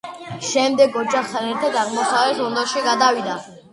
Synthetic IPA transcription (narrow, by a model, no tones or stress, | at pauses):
ʃɛmd̪ɛɡɔt͡ʃʰʼaχt̪ʰanɛɾt̪ʰad̪aʁmɔsavlɛpsɔnd̪ɔʃiɡad̪avid̪a